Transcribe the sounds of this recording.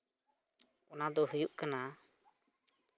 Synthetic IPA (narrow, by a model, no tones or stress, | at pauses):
ɔnad̪ɔɦujuʔkana